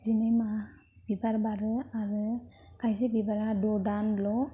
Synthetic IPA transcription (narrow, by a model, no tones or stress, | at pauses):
zinɯjma | b̥ibaɾbaɾɯaɾɯ | kʰajzebibaɾadɔdanlɔ